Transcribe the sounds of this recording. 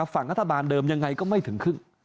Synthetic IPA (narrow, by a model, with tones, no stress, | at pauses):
a˧˩faː˧˩ŋʔaː˧˥t̪ʰaː˧˩ɓaː˨˩nɗəː˨˩mɲa˨˩ŋa˨˩jkɔ˨˧˦ma˧jt̪ʰɨ˨˩əŋxɨ˧əŋ